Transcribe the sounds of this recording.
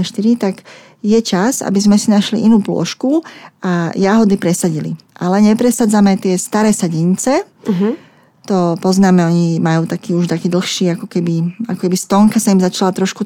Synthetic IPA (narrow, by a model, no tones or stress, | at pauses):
ʃt̪iɾit̪aɡ | jɛt͡ʃaza̰bizmɛsinaʃlḭʔinuːplʊɔ̰ʃkuajaɦɔd̪ipɾɛsaɟilḭʔalɛɲɛpɾɛsad͡zamɛt̪ɪɛst̪aɾɛːsaɟint͡sɛ | t̪ɔpɔznaːmɛɔɲimajuːt̪akiːuʃt̪akiːd̪l̩xʃiːakɔkɛbiakɔkɛbist̪ɔŋkasaimzat͡ʃalat̪ɾɔʃku